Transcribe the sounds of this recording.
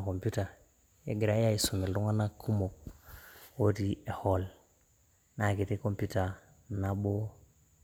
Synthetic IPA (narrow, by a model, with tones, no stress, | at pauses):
ko˨mpu˦ta˨ | jḛ˦ɡi˨ɾa˨˦ja˦i˨su˨me˨ldu˦ŋa˦na˦kʰu˦mo˨k̚ | wo˦ti˦e˨ho˦l | na˨ki˨te˦ko˦mputa˨ | na˨bo˦